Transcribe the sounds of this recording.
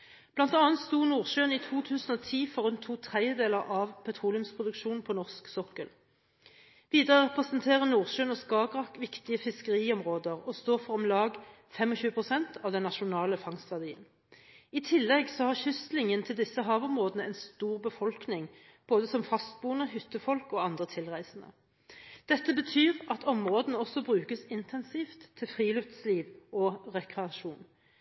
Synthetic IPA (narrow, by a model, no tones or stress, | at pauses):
b̥lɑnt̪ɑːnt̪st̪uːnuːʁʃøːniːt̪ʰuːt̪ʰʉːsn̩ɔːt̪ʰiːfɔʁʉnt̪ʰːuːt̪ʰʁɛəd̪eːləʁʔɑʋpʰɛt̪ʰʁuːlɪʉmspʰʁʊd̪ʉkʃuːnnpʰɔnɔʁsksɔkəl | ʋiːd̪əʁəʁɛpʁəsnt̪ʰeːʁənuːʁʃøːnɔskɑːɡʁɑkʋɪkt̪ɪəfɪskəʁiːɔmʁoːd̪əʁɔst̪oːʁfɔʁɔmlɑːɡ | fɛmɔçʉːəpʰʁʊsɛnt̪ʰɑːʋd̪ɛnːɑʃʊnɑːləfɑŋst̪ʋæʁd̪iːən | ɪt̪ʰɪlːɛɡsɔhɑʁçʏslɪŋənt̪ʰɪld̪ɪsːəɦɑːʋɔmʁoːd̪ənəɛɪnst̪uːʁbəfɔlknɪŋ | b̥oːd̪əsɔmfɑst̪̚buːənəhʏt̪ːəfɔlkɔːɑnd̪ʁət̪ʰɪlʁæɪsnə̰ | d̪̥ɛt̪ːəbət̪ʰyːʁʔɑt̪ʰɔmʁoːd̪nəɔsɔbʁʉːkəsɪnt̪ʰɛnsiːft̪ʰːɪlfʁiːlœft̪sliːʋɔʁɛkʁɛɑʃuːn